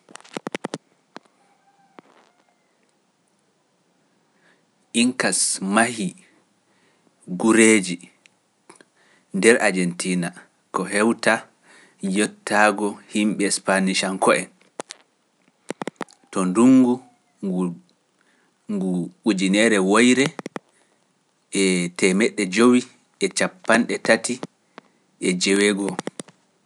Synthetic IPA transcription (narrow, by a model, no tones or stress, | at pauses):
ʔiŋkasmahi | ɡuɾeːd͡ʒi | ndɛɾʔad͡ʒɛntʰiːna | kɔɦɛwta | jɔtːaːɡɔhimɓɛɛspaniʃaŋkɔɛ̰ | tɔnduŋɡu | ŋɡuɓud͡ʒinɛɾɛwojɾɛ | ʔɛtɛmɛɗːɛd͡ʒowi | ɛt͡ʃapːanɗɛtati | ʔɛd͡ʒɛwɛɡɔ